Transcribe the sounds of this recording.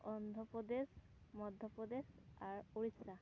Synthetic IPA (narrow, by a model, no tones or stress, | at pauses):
ɔnd̪ʱɔpɹɔd̪es | mɔd̪ʱːɔpɹɔd̪esaɹoɹisa